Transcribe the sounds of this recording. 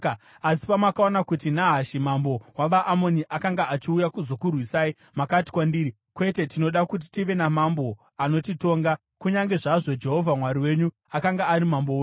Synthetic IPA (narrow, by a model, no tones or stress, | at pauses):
asi̥pamwakao̞nakutinaɦaʃimambo̞waʋaʔːmo̞niʔakaŋɡaat͡ʃiujakuzo̞kurwisai | makati̥kwandiːɾi | kwe̞te̞tino̞ɗakut̬i̥tiʋe̞namambo̞ | ano̞tito̞ːŋɡa | kuɲaŋɡe̞ʐaʐo̞d͡ʒe̞ɦo̞vʱamwaɾiwe̞ɲu | akaŋɡaːɾimamboo